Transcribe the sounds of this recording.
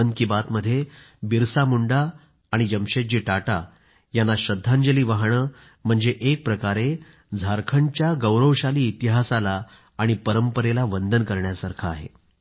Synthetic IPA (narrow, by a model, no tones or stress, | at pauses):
əŋkibat̪məd̪ʱːje | biɾsamuɳɖaː | ɽ̃id͡ʑəmɕet͡ɕiːʈaʈa | janːaɕəd̪ʱːãɲd͡ʑəliːʋaɦɳ̃əː | m̤əɳd͡zeʔek̚pɾəkaɾe | d͡zʱaɾkʰənt͡ɕjaɡəwɾəʋɕaliːt̪iɦasalaː | ɽ̃ipəɾəmpəɾelaʋənd̪ʱənkəɾɳjasaɾkʰaːɦḛ